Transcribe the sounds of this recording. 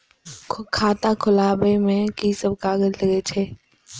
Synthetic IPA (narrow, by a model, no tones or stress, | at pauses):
kʰaːt̪ãkʰʊlaːbemẽkisəb̚kaːɡəzləɡet͡ʃʰeː